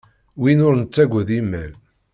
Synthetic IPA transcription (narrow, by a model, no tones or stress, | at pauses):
winʊɾnət͡sːæɡʷəðimːæl